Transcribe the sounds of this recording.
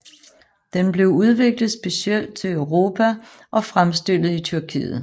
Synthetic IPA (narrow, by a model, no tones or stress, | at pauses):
d̥enb̥le̝ʊuð̞ˠʋe̝ɡ̥ləð̞̩ˠsb̥e̝siel̰d̥̚t͡sʰe̝lœʊʁo̝ːpʰæ | ʔɒ̽fʁamsd̥el̰ð̩ˠit͡sʰyɐkʰḭːð̩ˠ